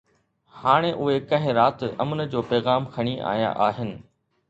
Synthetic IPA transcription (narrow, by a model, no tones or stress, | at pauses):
haːɽ̃eʔʊɦekɐ̃ɦɪ̃ɾaːt̪ɐ̰mnə̆d͡ʑoːpɛːɣaːmkʰɐɽ̃iʔa̰ːja̰ʔaːɦɪnɪ̆